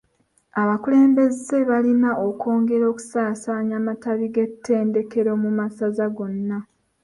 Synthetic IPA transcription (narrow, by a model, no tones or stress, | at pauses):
aβakule̞ːmbe̞ze̞βalinaʔoko̞ːŋɡe̞ɾo̞ːku̥saːsaːɲamataβiɡe̞tʰːe̞ːnde̞ke̞ɾo̞mumasazaɡo̞nːa